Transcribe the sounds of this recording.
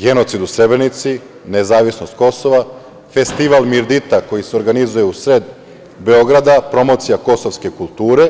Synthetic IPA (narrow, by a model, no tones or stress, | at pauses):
ɡe̞no̞t̪sid̪usɾe̞bɾenit̪si | ne̞zaːʋisno̞st̪ko̞so̞ʋa | fe̞st̪iʋalˠmiɾd̪it̪ako̞jiseo̞ɾɡanizuje̞usɾed̪ | be̞o̞ɡɾad̪apɾo̞mo̞ːt̪sijako̞soʋske̞kulˠt̪uːɾe̞